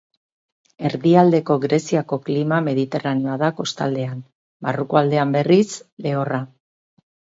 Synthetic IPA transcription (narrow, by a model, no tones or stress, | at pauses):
e̞ɾðiald̪e̞ko̞ɣɾe̞siako̞klimame̞ðit̪e̞raneo̞aðako̞st̪ald̪e̞an | barukoald̪e̞ambe̞risle̞ora